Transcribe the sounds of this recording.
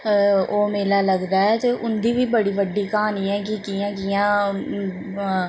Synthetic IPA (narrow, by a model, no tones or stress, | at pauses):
oːmeːlaːləɡd̪aːɛːt̪eːʔʊnd̪iːʋiːbəɽiːʋəɖːiːkəɦaːniːɛːk̬ɪkɪːãːkɪjãː